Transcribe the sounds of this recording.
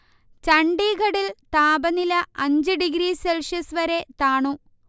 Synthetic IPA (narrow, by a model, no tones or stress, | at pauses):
t͡ɕɐɳɖiːɡɐɽilt̪aːbɐnilɐʔɐɲd͡ʑɨɖiɡɾiːselʂjɐsʋɐɾe̞t̪aːɳu